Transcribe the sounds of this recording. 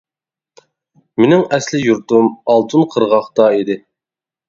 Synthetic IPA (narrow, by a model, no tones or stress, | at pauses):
mɪnɪŋɛslɪjuɾd̪umɑlˠt̪ʰunqʰəɾʁɑχt̪ɑid̪ɪ